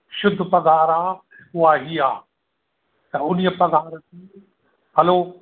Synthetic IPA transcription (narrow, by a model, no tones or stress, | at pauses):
ʃʊd̪ʱpɐɡaːɾaː | ʊaɦiːaː | t̪ɐʊn̤ijəpɐɡaːɾt̪iː | ɦɐloː